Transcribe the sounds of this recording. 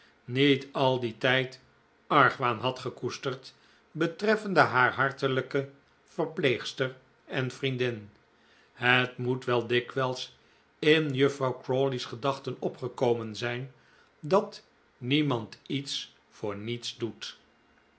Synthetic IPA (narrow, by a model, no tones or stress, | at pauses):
nitɑlˠditɛjt | ɑɹχʋaːnɦɑtχəkustəɹt | bətrɛfəndəɦaːɹɦɑɹtələkə | v̥əɹpleːχstəɹ | ɛnfrindɪn | hətmutʋɛlˠdɪkʋɛlˠs | ɪnjɵfrɑwkrolisχədɑχtənɔpχəkowmənzɛjn | dɑt | nimɑntits | fʊːɹnitsdut